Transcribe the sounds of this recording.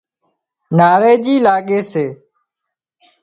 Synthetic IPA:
naːɾeːd͡ʒiːlaːɠeːseː

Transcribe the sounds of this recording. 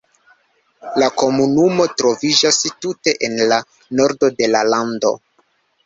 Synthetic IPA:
lako̞munumo̞tɾo̞vid͡ʒastute̞ʔenla | no̞ɾdo̞de̞lalando̞̰

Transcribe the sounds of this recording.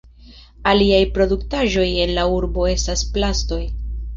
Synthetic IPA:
aliajpɾo̞duktaʒo̞je̞nlauɾbo̞e̞stasplasto̞j

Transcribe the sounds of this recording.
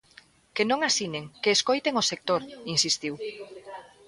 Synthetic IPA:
kenõŋasineŋkeːskojt̪eŋosek̚t̪oɾinsist̪iw

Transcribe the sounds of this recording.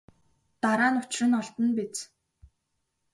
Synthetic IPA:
t̪aɾaːnʊt͡ɕɪrɘ̆nɔɮt̪ə̆npet͡s

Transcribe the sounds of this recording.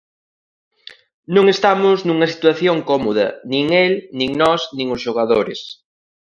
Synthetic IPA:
nõŋest̪amʊznuŋɐsi̥t̪waθjoŋkɔmoðɐ̰nĩŋelnĩŋnɔsnĩŋʊsʃoɣaðoɾɪs

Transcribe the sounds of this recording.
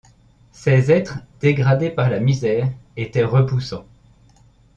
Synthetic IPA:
sɛzɛt̪χd̪̥eɡʁad̪epaʁlamizɛːʁet̪ɛʁəpusɑ̃

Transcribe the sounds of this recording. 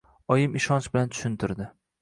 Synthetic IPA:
ɒjɪmɪʃɒnt͡ʃbɪlant̪ʰʊ̥ʃɪnt̪ʰɪɾd̪ɪ

